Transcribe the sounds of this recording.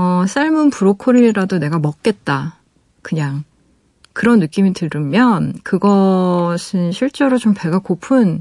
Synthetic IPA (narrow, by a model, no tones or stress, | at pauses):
ʌsʰaɭmɯnpuɾokʰoɾiɾadone̞ɡamʌk̚k͈e̞t̚t͈a | kɯɲaŋ | kɯɾʌnːɯk͈imitɯɾɯmjʌnkɯɡʌsʰɯnɕʰiɭt͡ɕ͈eɾot͡ɕompe̞ɡakopʰun